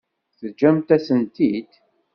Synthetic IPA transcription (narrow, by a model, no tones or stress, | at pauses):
θəd͡ʒːæmt̪æsənt̪id̪